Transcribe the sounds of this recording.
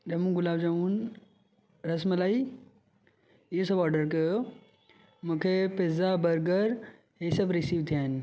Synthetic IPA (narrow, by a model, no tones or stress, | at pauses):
d͡ʒɐmũːɡulaːbd͡ʒɐmuːn | ɾɐsməlaːi | josɐbaːɾɖəɾke | mukʰepezabɐɾɡəɾ | ɦesɐbɾisiːʋt̪ʰijaːn